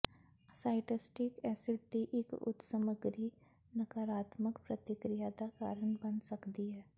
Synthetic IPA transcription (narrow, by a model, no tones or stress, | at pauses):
saːɪʈɪsʈɪkɛːsɪɖ̚d̪iʔɪkʊ̰t̪səməɡɾi | nɐkaːɾaːt̪məkpɾɐt̪ɪkɾijad̪aka̰ːɾəɳbɐnsɐkd̪iɦɛː